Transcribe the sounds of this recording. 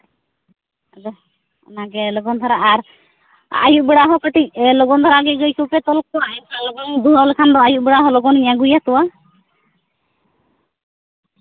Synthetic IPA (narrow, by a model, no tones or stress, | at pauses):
d͡ʒɔ | naɡɛlɔɡɔnd̪ʱɔɾaːɾ | a̰juʔbiɽaɦɔkɔʈilɔɡɔnd̪ʱɔɾaɡɛɡɔjkupɛt̪ɔlk̚tɔwabalɔɡɔnd̪uɾɔlkʰand̪ɔajuʔbiɽaɦɔlɔɡɔniɲaɡujat̪uwa